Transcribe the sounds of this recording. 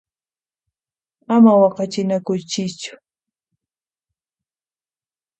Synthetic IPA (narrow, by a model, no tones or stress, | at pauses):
amawɑqɑt͡ʃɪnakʊjt͡ʃɪt͡ʃʊ̥